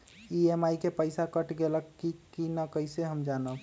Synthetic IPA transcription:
iemajkepəɪsakəʈɡeləkːikinəkəjseɦəmd͡ʒanə

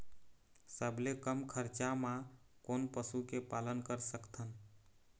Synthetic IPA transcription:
səbʱlekəmkʰəɾt͡ʃamã | konpəsukepalənkəɾsəkt̪ʰən

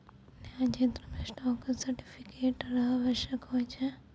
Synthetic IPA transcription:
naːd͡ʒent̪ɾɐmesʈɔːksɐɾʈipʰikeːʈɾaːʋɐɾʃjɐkɦoːt͡ʃʰe

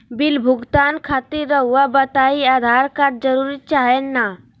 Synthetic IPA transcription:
bɪlbʱʊɡt̪aːnkʰaːt̪iɾːəɦuabət̪aːiaːd̪ʱaːɾkaɾ̚d͡ʒəɾuːɾit͡ʃaːɦenːa

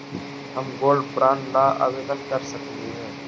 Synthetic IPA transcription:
ɦəmɡoːlpɾaːnlaːʔa̰ːʋeːd̪ənkəɾsəkʰd̪iːɦɛː

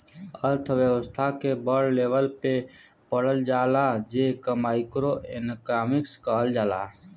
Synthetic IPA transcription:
əɾt̪ʰʋjəwəst̪ʰakebəɽleːʋəlpe | pəɽəld͡ʒaːlad͡ʒeːkamaːɪkɾoenəkɾaːmɪkskaːld͡ʒaːla̰ː

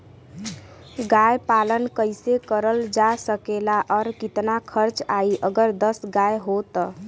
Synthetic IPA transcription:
ɡajpalənkəɪsekəɾəld͡ʒasəkelaʔɔɾkit̪nakʰəɾt͡ʃaiʔəɡəɾd̪əsɡajɦot̪ə

